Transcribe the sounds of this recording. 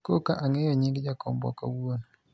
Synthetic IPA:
kokaʔaŋejɔɲiɡd͡ʒakɔ̰mbɔ̰kawuon

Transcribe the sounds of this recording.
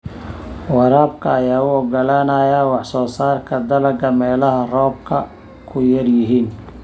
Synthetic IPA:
wɑɾaːb̚kʰɐːjaːʊɔɡɐlaːnɐjawɑħsɔːsaːrkʰɐd̪ɐlɐɡɐmɛːlɐɦɐrɔːb̚kʰɐ | kʰʊjɐrjɪɦiːn

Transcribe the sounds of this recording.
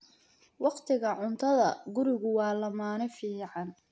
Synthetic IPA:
wɑqt̪ʰɪɣɐʕʊnt̪ʰɐðɐɡʊɾɪɣʊwɑːlɐmaːnɪfiːʕɑn

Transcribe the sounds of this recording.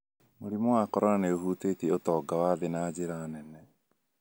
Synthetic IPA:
moɾimɔwakɔɾaɾaneoɦuːtekeotɔːɡawaðenaːd͡ʑeɾanɛnɛ

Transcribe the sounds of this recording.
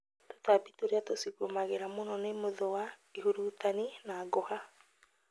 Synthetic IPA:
to̥tabitoɾeatosiɣomaɣeɾamonɔnemoðoaiɦuɾut̪aninaːɡɔha

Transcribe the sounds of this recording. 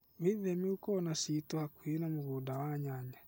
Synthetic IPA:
wiðɛmiukɔːnasitɔhakwenamoɣudawaɲaɲa

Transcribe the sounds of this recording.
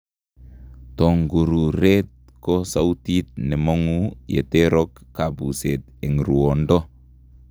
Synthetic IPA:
t̪oŋɡuɾuɾet̪̚ | kɔsautit̪̚nɛmoŋujḛt̪eɾɔkkːabuset̪̚ | eŋɾuɔndɔ

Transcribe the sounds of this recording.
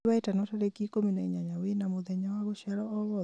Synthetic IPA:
waɛtanɔtaɾekikominaɲaɲawɪnamʊðɛɲawaɡɔʃalɔɔɣɔ

